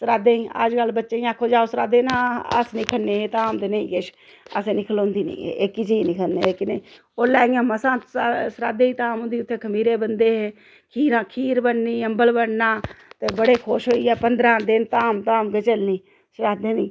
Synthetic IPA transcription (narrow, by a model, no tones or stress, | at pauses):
səɾaːd̪ẽːiə̰ːd͡ʒɡəlbətːʃeːĩaːkʰoːd͡ʒaːoːsəɾaːd̪eːnãːə̰snɪːkʰəɽneːɦeːt̪aːmd̪eneĩːkeːʃ | əseːnɪkʰəlõːnd̪iːnḛ̃ːḛːeːkit͡ʃinĩːkʰənḛːleːkɪne | oːlɛːɡãːməsãːsɾaːd̪eːiːt̪aːmõnd̪iːʊt̪ʰːeːkʰəmiːɾeːbənd̪eːɦeː | kʰiːɾãːkʰiːɾbəɽniːəmbəlbəɽnãːt̪eːbəɽeːkʰoːʃɦoːiːɛːpənd̪ɾãːd̪ɪnt̪aːmt̪aːmɡət͡ʃəlniː | səɾaːd̪eːniː